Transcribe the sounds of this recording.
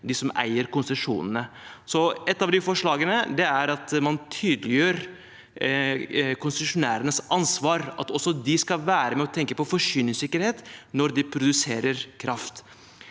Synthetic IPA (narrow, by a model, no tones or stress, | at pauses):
d̪ɪsɔmæ̰ɪəɾkʊnsəʂṵːnənəsɔɛt̪ːɑʋd̪ɪfɔʂɭɑːɡənəd̪ɛæɾɑt̪mɑnt̪ʰyːd̪lɪjøːɾ | kʰʊnst̪ʉʂʊnæ̰ːɾənəsʔɑnsʋɑːɾɑ̰t̪ɔsːɔd̪ɪskɑʋæːɾəmɛɔt̪ʰɛŋkəpɔfɔʂyːnɪŋsɪkːəɾheːt̪nɔɾd̪ɪpʰɾʊd̪ʉseːɾəɾkʰɾɑft̪